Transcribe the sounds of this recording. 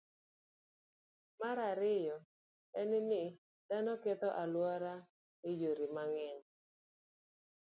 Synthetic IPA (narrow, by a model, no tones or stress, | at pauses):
maɾaɾɪjɔ | ɛnɪnɪ | d̥anɔkɛt̪ɔʔalwɔɾa | ɪjoɾimaŋɛn